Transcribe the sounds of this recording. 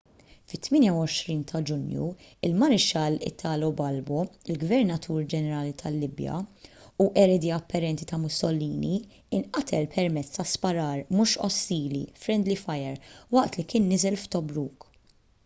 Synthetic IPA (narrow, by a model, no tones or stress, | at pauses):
fɪt̪ːmɪːnjɐwɔʃɾiːnt̪ʰɐd͡ʒʊnjṵ | ɪlmɐɾɪʃɐlɪ̰t̪ʰːɐːlɔwbɐlbɔɪlɡvɛɾnɐt̪ʰuːɾd͡ʒɛnɛɾɐːlit̪ʰɐlːɪbjɐ̰uʔɛɾɛd̪iɐpːɐɾɛnt̪it̪ɐmʊsɔlːiːni | ɪnʔɐt̪ʰɛlpʰɛɾmɛt͡sːt̪ɐspɐɾɐːɾmuːʃɔ̰sːiːlḭfɾɛnd̪lifɐjɛɾwɐʔt̪likɪːnːɪzɛlft̪ɔbɾuːk